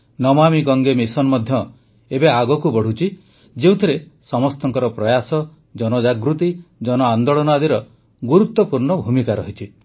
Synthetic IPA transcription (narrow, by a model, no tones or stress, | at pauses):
nɔmamiɡɔŋɡemisɔnmɔd̪ʱjɔ | ebeaɡɔkubɔɽ̤ut͡ʃʰi | d͡ʒeũt̪ʰiɾesɔmɔst̪ɔŋkɔɾɔpɾɔjasɔ | d͡ʒɔnɔd͡ʒaɡɾut̪id͡ʒɔnɔand̪ɔɭɔnɔad̪iɾɔ | ɡuɾut̪ːɔpuɾnɔbʱumikaɾɔɦit͡ʃʰi